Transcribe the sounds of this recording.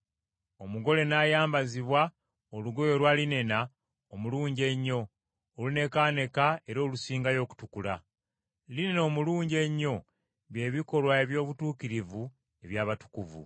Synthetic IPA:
o̞muɡo̞le̞naːjaːmbaziβwa | oluɡo̞jo̞lwaːline̞na | omuluːɲɟe̞ɲːo̞ː | lune̞kaːne̞kae̞ɾo̞ːlusiːŋɡajo̞ːku̥tukula | lineno̞ːmuluːɲɟe̞ɲːo̞ | βje̞ːβiko̞lwae̞βjo̞ːβutuːkiɾivu | e̞βjaːβatu̥kuvṵ

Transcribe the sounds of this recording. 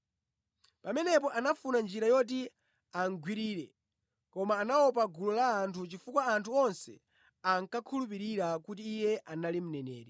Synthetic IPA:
pamɛnɛpɔʔanafunand͡ʒiɾajɔt̬i | aŋɡwiɾiːɾɛ | kɔmaːnaɔpaɡulɔlaːntʰut͡ʃifukwaːntʰuɔnsɛ̰ | aŋkakʰulup̬iɾiɾakutiːjɛʔanalim̩nɛnɛ̰ːɾɛ

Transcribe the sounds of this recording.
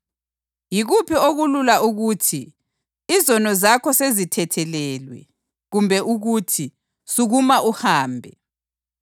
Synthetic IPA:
jiɣupʰioɣululauɣuːtʰi | izɔnɔzakʰɔsezitʰɛtʰɛlɛlwɛ̰ | ɣumbʱɛʔuɣutʰi | suɣumaʔuhaːmbʱɛ

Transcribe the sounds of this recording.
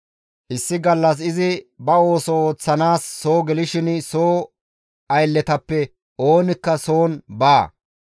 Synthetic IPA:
ʔɪsːɪɡɐlːɐs̬ɪzɪbɐo̞ːsɔoːt͡sːɐnaːsːo̞ːɡɛlɪʃɪnsoː | ɐjlːɛt̪ɐpːɛ | ʔo̞ːnɪkːɐso̞ːnbaː

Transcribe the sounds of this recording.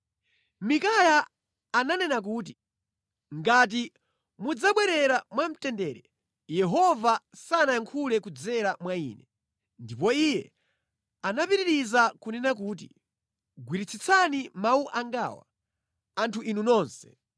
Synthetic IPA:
mikajaː | nanɛnak̬uːt̬i | ŋɡat̬i | mud͡zaɓwɛɾɛɾamwam̩tɛndɛːɾɛ | jɛɦɔvasanaaŋkʰulɛkud͡zɛɾamwaḭːnɛ | ndipɔijɛ | anapiɾiɾizakunɛnak̬uːt̬i | ɡwiɾit͡sʰit͡sʰanimauʔaŋɡa̰ːwa̰ | antʰuʔinunɔːnsɛ̥

